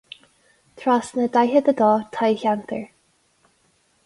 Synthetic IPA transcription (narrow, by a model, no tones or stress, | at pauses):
t̪ʰɹasnəd̪ajɦəd̪əd̪ɔːt̪ʰajçant̪ʰə̰ɹ